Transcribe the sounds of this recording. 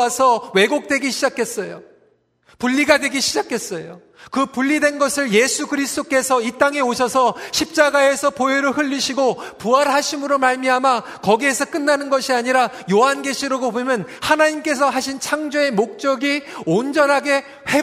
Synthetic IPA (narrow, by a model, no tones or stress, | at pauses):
sʰʌwe̞ɡok̚t͈we̞ɡiɕʰid͡ʑakʰe̞s͈ʌjo̰ | puʎːiɡadwe̞ɡiɕʰid͡ʑakʰe̞s͈ʌjo | kɯpuʎːidwe̞nɡʌsʰɯɭje̞sʰuɡɯɾisʰt͈ok͈e̞sʰʌit͈aŋe̞oɕʰʌsʰʌɕʰip̚t͡ɕ͈aɡae̞sʰʌpoɦeɾɯɭɸɯʎːiɕʰiɡopuaɾɦaɕʰimɯɾomaɭmiama | kʌɡie̞sʰʌk͈ɯnːanɯnɡʌɕʰiaɲiɾa | joɦanɡe̞ɕʰiɾoɡobomjʌnhanaɲimk͈e̞s̬ʰʌɦaɕʰint͡ɕʰaŋd͡ʑoe̞mok̚t͡ɕ͈ʌɡiond͡ʑʌnɦaɡe̞ | he